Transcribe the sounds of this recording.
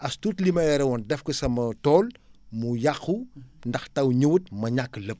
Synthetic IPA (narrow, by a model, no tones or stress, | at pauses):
ʔɐstutlimɐjɛɾɛwɔndɛfkəsɐmɐtɔːlmujaxundɐxtɐwɲuwut̚mɐɲakːələp̚